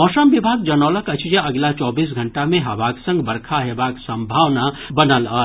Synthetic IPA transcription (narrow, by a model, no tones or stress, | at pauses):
ɔːsəmʋibʱaːɡ̚d͡ʒənoːləkət͡ʃʰd͡ʒeəɡlat͡ʃɔːbiːs̬ɡʱəɳʈamẽɦɐbaksə̃ŋɡbəɾkʰaɦebaksə̃mbʱaːʋnabənələː